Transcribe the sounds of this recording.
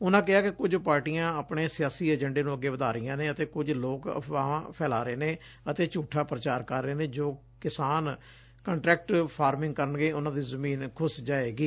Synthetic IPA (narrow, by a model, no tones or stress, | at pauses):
ʊnãːk̬ɪaːkɪkʊd͡ʒpaːɾʈijãːaːpɽeːsɪjaːsiːəd͡ʒə̃ɳɖeːnũːəɡːeːʋəd̪aːɾɪjãːnẽːət̪eːkʊd͡ʒloːkaːpʰɛːla̰ːɾeːneː | ət̪eːt͡ʃuːʈʰaːpɾət͡ʃaːɾkəɾːeːnẽːd͡ʒoː | kɪsaːn | kə̃ɳʈɾɛːk̚ʈpʰaːɾmɪ̃ŋɡ̚kəɾənɡeːʊnãːd̪iːzəmiːnkʰʊsd͡ʒaːeːɡiː